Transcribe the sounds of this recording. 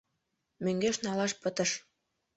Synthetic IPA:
møŋɡeʃnɑlɑʃpə̆t̪ə̆ʃ

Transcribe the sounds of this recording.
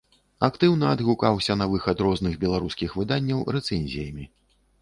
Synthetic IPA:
akt̪ɨwnɐːd̪ɣukawsʲɐnɐvɨxɐd̪ɾɔznɨɣbʲɛlˠaɾuskʲixvɨd̪anʲːɐwɾɛt̪sɛnʲzʲijɐmʲi

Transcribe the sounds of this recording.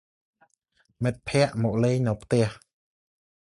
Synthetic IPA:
mɨt̪̚pʰɛ̆əʔmɔʔ̚leːɲnɨwpʰt̪ɛ̆əh

